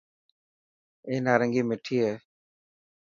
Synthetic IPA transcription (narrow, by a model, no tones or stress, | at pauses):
eːnaːɾəŋɡiːmɪʈʰiːɦeː